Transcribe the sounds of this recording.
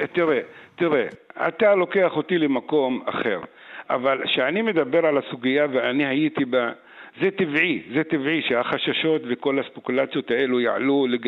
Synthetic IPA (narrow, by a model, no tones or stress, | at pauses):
t̪iʁet̪iʁe̞a̰t̪alo̞ke̞aχo̞t̪ilemako̞ma̰χe̞̰ʁ | a̰valʃeanime̞d̪abe̞ʁʕalasuɡijaveanihajit̪iba | zet̪ivʕizet̪ivʕiʃehaχaʃaʃo̞t̪veko̞laspekulat͡sijo̞t̪ae̞lujaʕa̰luleɡ